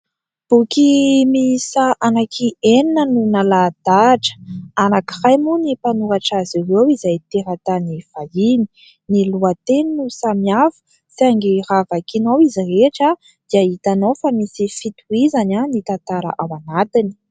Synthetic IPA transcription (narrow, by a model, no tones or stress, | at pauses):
b̥ukimisaʔanakʰieninənunalad̪aʈ͡ʂə̥anakirajmunipanuaʈ͡ʂaziwewizajt̪eɾat̪aniv̥aini̥ | niluat̪eninusamiafu̥ | t͡saŋɡiravakinowizireʈ͡ʂa | d̪̥iaɦit̪anofamisifit̪uizananit̪ant̪aɾa̰ʔawanat̪ini̥